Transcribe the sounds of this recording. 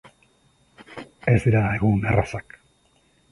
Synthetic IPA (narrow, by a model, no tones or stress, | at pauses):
ezd̪iɾaeɣunerasak